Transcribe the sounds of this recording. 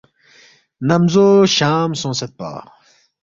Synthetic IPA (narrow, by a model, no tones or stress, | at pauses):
nɐmzoːɕaːmsõːsɐt̪̚pa̰ː